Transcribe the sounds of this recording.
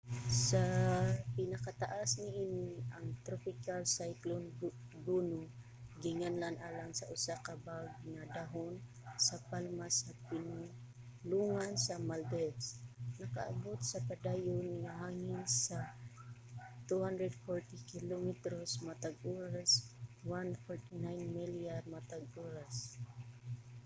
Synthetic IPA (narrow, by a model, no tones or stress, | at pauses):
sapɪnɐkat̪aʔasnɪʔiːniʔaŋt̪ɾopɪkalsajklon | ɡuːno | ɡɪŋanlanʔaːlaŋsaʔʊsakabaɡ̚nɐd̪aɦon | sɐpalmasapɪnʊ | luŋansɐmald̪ɛsnɐka̰ʔa̰bot̪sapad̪aːjʊnŋaɦaːŋɪnsa | t̪uhand̪ɾɛd̪foɹt̪ɪkɪlomɪt̪ɾosmat̪aɡuɾaswanfɔɹt̪ɪnajnmiliarmat̪aɡ̚ʔuɾas